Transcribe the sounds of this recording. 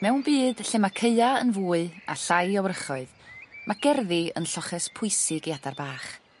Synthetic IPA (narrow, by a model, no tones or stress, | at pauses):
mɛwnbiːd̥ɬɛmakʰəɨaənvuːɨa̰ɬajɔwrəχɔɨðmʔaɡ̥ɛrðɪə̰nɬɔχɛspʰʊɨsɪɡiadarbaːχ